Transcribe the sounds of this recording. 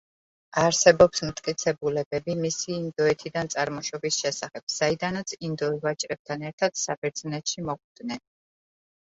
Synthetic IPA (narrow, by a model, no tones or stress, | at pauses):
aɾsɛbɔpsmt̪ʼkʼit̪sʰɛbulɛbɛbimisiːnd̪ɔɛt̪ʰid̪ant̪sʼaɾmɔʃɔbisʃɛsaχɛb̥z̥aid̪anat̪sʰind̪ɔivat͡ʃʼɾɛb̚t̪ʰanɛɾt̪ʰad̪̥sabɛɾd̪znɛt̪ʃimɔχʼʰd̪nɛn